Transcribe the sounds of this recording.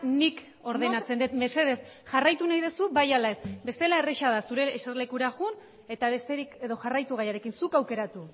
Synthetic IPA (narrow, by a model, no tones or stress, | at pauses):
nik | o̞ɾðenat͡se̞nd̪et̪mese̞ð̞e̞sʝarajt̪unajðesubajalae̞sbe̞st̪e̞lae̞reʃað̞asuɾe̞ːserle̞kuɾaɣun | e̞t̪aβe̞st̪eɾike̞ðo̞ʝarajt̪uɣ̞ajaɾe̞kinsukawke̞ɾat̪u